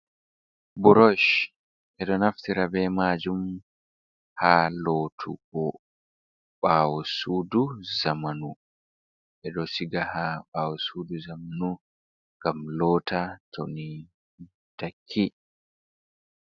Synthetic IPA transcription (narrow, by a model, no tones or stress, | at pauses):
buɾɔʃ | ʔɛɗɔnaftiɾabɛmad͡ʒum | haloːtʰuɡɔ | ɓaːwɔsuːduzamanu | ʔɛɗɔsiɡahaɓaːwɔsuːduzamanu | ŋɡamlɔːtʰatʰoni | takʰːi